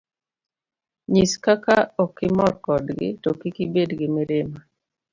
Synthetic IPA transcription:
ɲiskakaɔkɪmɔrkɔdɡɪ̰tɔkikibedɡɪmɪɾema

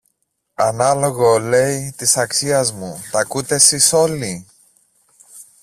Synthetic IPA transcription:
ɐnɐlo̞ɣo̞le̞jt̪isɐksiɐzmut̪ɐkut̪e̞siso̞li

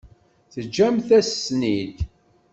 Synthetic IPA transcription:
θəd͡ʒːæmθæsnid̪

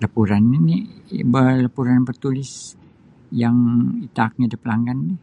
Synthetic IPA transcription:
lapuɾanːinibəlapuɾanbərt̪ulɪs | jaŋit̪ak̚ɲadapəlaŋɡanːi

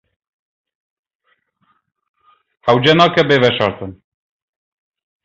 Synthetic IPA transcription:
hæwd͡ʒɛnɑkɛbevɛʃɑɾt̪ən

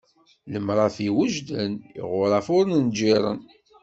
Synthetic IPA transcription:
ləmɾˤɑθiwəʒd̪ənḭʁʊɾˤɑfʊɾnənd͡ʒiɾˤə̰n

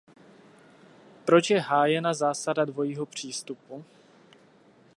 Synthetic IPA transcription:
pɾo̞t͡ʃjɛɦaːjɛnazaːsadadvo̞jiːɦo̞pr̝̥iːst̪upu

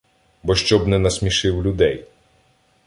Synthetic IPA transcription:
bɔʃt͡ʃɔbnɛnɐsmʲiʃɪwlʲʊd̪ɛj

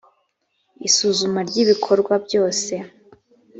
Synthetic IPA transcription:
isuzumaɾɟiβikʰo̞ɾɡwabɟo̞ːse̞

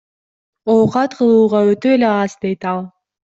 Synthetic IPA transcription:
owqɑt̪qʰɯlˠuːʁɑøt̪øeleɑzd̪e̞jt̪ɑlˠ

